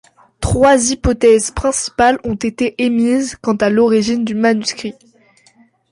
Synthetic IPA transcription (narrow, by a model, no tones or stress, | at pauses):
t̪χwazipɔt̪ɛzpχɛ̃si̥palɔ̃t̪et̪eʔemizkɑ̃t̪alɔʁiʒind̪ymanyskχi